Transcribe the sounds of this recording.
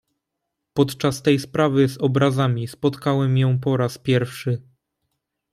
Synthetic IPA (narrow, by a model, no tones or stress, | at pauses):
pɔt̪t͡ʂast̪ɛjspɾavɘzɔbɾazamʲispɔt̪kawɛmjɔ̃w̃p̬ɔɾaspʲjɛɾfʂɘ